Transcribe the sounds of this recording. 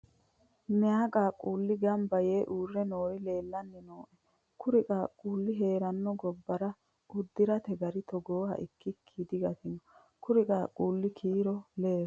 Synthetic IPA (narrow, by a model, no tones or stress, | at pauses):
mɪjaːkʼaːkʼuːlːɪɡɐmbɐjeːʔuːrːɛnoːɾɪle̞ːlːɐnːɛnoːʔɛ | kʰʊɾɪkʼaːkʼuːlːɪɦe̞ːɾɐnːɔɡɔbːɐɾɐ | ʊd̪ːɪɾɐt̪ɛɡɐɾɪt̪ɔɡoːhɐ̰ʔɪkːɪkʰːid̪ɪɡɐt̪ɪnɔ | kʰʊɾɪkʼaːkʼuːlːɪkʰiːɾɔleːɾ